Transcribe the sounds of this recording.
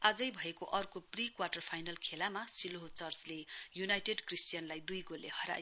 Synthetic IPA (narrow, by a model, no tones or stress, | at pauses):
ad͡zʌjbʱʌekoʔʌrkoprikwaʈʌrpʰajnʌlkʰelamasiloɦot͡sʌrslejunajʈeɖkrisʈjʌnlajd̪ujɡolːehʌɾa̰j